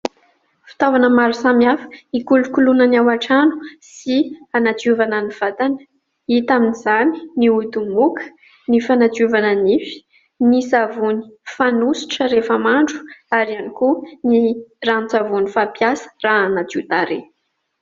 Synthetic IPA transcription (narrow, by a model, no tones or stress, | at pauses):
fi̥t̪avanəmaɾusamiafə̥ikulukulunənawaʈ͡ʂanu̥sianat͡suvananiv̥at̪anə̥ | it̪aminizani̥niut̪umukə̥ | nifanat͡suvananifi̥ | nisavuni̥fanusi̥ʈ͡ʂəɾefəmaɳɖ͡ʐu̥aɾianikunirant͡savunifapjasə̥raanad͡ʒut̪aɾe